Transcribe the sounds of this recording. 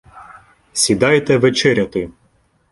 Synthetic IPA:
sʲid̪ɑjt̪ɛʋet͡ʃɛɾʲɐt̪ɪ

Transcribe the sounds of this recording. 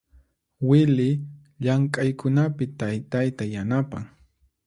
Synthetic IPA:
wɪlɪ | ʎaŋkʼajkʊnapɪt̪ajt̪ajt̪ajanapa̰ŋ

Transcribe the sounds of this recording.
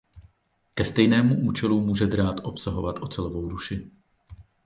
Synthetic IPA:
kɛst̪ɛjnɛːmuʔuːt͡ʃɛlumuːʒɛd̪ɾaːt̪ʔo̞psaɦo̞vat̪ʔo̞t͡sɛlovo̞wduʃɪ

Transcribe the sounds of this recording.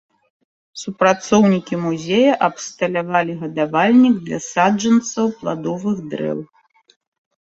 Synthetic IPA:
supɾat̪sɔwnʲikʲimuzʲejɐʔɐpst̪ɐlʲavalʲiɣɐd̪avalʲnʲiɡd̪lʲɐ̰sad͡ʐɐnt̪sɐwplˠa̰d̪ɔvɨɣd̪ɾɛ̰w

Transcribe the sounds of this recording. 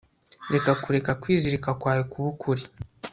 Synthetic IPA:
ɾekakuɾekakwiːziɾikakwajokuβukʰuɾi

